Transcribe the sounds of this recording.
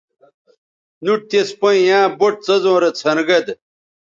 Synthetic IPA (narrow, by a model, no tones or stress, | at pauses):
nuʈ̚t̪espojãːboʈ̚t͡sɐzõːɾɐt͡sʰɐnɡɐd̪